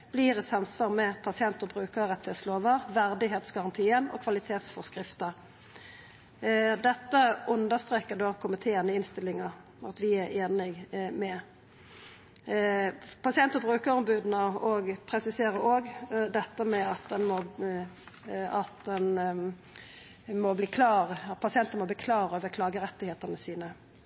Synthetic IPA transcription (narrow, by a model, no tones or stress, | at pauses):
b̥liːɾɪsɑmsʋɑːʁmɛpʰɑsɪɛnt̪əbʁʉːkəɾʁɛt̪heːt̪sloːʋəʋæʁd̪ɪɦeːt̪sɡɑʁɑnt̪ʰiːənɔ̰kʰʋɑlɪt̪ʰeːt̪sfɔʁskʁɪft̪əʁ | d̪ɛt̪ːəʔʉnd̪əst̪ʁeːkːəd̪oːkʰʊmɪt̪ʰeːənəɪnst̪ɪlːɪŋəʁ | ɑt̪ʋɪæɾeːnɪɡmɛ | pʰɑsɪɛnt̪əbʁʉːkəɾɔmbʉːd̪n̩əɔɡpʰɾɛsɪseːɾəɾoːɡd̪ɛt̪ːəmɛɑt̪̚d̪ɛnmɔ | ɑt̪̚d̪ɛn | mɔbliːkʰlɑːʁpʰɑsɪɛnt̪ənmɔbiːkʰlɑːɾøːʋəkʰlɑːɡəɾɛt̪ːɪheːt̪ənəsiːnə